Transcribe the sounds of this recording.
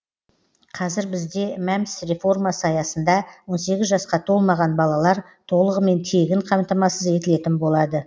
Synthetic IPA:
qʰɑzɪɾbɪzd̪e̞mæmɪ̥sɾe̞fo̞rmasɑjɑsənd̪ɑwo̞nse̞ɡʲɪzʒɑsqɑt̪ʰo̞lˠmɑʁɑnbɑlˠɑlˠɑɾ | t̪ʰo̞lˠəʁəme̞nt̪ʰe̞ɡʲɪɴqʰɑmt̪ɑmɑsəze̞t̪ɪle̞t̪ɪnbo̞lˠɑd̪ə

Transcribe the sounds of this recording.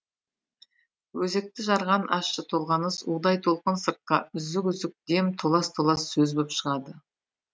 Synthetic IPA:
wɵze̞k̚t̪ɪʒɑɾʁɑnʔɑʃʃət̪ʰo̞lˠʁɑnəsud̪ɑjt̪ʰo̞lˠqənsəɾt̪̚qɑʔʏzd̪ɪkʏzd̪ɪk̚d̪e̞mt̪ʰolˠɑst̪ʰolˠɑsːɵzbopʃəʁɑd̪ə

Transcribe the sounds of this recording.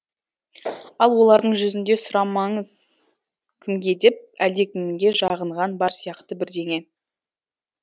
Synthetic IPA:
ɑlˠwo̞lˠɑɾd̪əɴʒʏzɪnd̪e̞sʊɾɑmɑɴəz | kʲʰɪmɡʲe̞d̪e̞p̚æld̪e̞kʲʰɪmɪŋɡʲe̞ʒɑʁəɴʁɑnbɑɾsijɑqt̪əbɪɾd̪e̞ŋe̞

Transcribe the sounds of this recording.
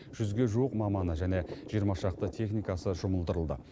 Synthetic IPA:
ʒ̥ʏzɡʲe̞ʒuwəqmɑmɑnəʒæne̞ʒ̥ijəɾmɑʃɑq̚t̪ət̪ʰe̞χnijkɑsəʒʊməlˠd̪əɾəlˠd̪ə̰

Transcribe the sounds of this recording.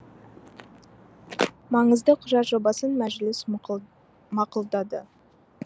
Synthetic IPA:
mɑɴəzd̪əqʰʊʒɑt̪ʒo̞bɑsənmæʒlɪs | mɑqʊlˠd̪ɑd̪ə̰

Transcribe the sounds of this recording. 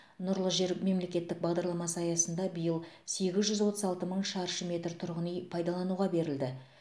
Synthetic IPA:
nʊɾlˠəʒe̞ɾme̞mle̞kʲe̞t̪ːɪk̚bɑʁd̪ɑɾlˠɑmɑsɑjɑsənd̪ɑbəjəlˠse̞ɡʲɪzʒʏzwo̞t̪əzɑlˠt̪əməɴʃɑɾʃəmʲe̞t̪ɾt̪ʰʊɾʁənijpʰɑjd̪ɑlˠɑnuʁɑbe̞ɾɪld̪ɪ

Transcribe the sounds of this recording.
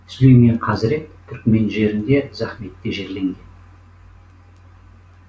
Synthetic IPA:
slejmeɴqʰɑzɪɾe̞t̪t̪ʰːʏɾkme̞nʒe̞ɾɪnd̪e̞zæχme̞t̪ːeʒe̞ɾle̞ŋɡʲe̞n

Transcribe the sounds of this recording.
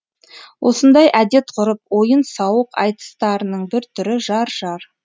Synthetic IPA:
wʔo̞̰sənd̪ɑjʔæd̪e̞t̪qʰʊɾəp̚wo̞jənsɑwəqɑ̰jt̪ə̥st̪ɑɾənəɴbɪɾt̪ʰʏɾɪʒɑɾʒɑɾ

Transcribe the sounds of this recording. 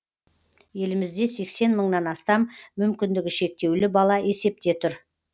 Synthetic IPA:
je̞lɪmɪzd̪e̞se̞kse̞nməɴnɑnɑst̪ɑmːʏmkʲɪnd̪ɪɡʲɪʃe̞k̚t̪e̞wlɪbɑlˠɑe̞se̞p̚t̪e̞t̪ʰʊɾ

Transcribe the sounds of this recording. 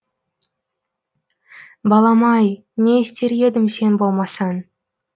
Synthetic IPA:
bɑlˠɑmɑj | nest̪e̞ɾed̪ɪmse̞nbo̞lˠmɑsɑn

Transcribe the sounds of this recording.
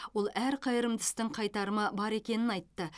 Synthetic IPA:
wo̞lˠæɾqʰɑjəɾəmd̪ɪ̥st̪ɪɴqʰɑjt̪ɑɾəmɑbɑɾe̞kʲe̞nɪnɑjt̪ːə

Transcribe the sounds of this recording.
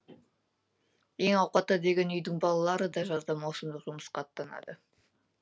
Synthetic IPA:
e̞ŋɑwqɑt̪ːɑd̪e̞ɡʲe̞nʏjd̪ɪŋbɑlˠɑlˠɑɾəd̪ɑʒɑzd̪ɑmɑwsənd̪əqʒʊmə̥sqɑːt̪ːɑnɑ̰d̪ə

